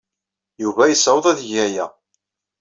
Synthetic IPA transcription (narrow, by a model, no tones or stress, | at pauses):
juvæjəsəwðˤæðʝæjæ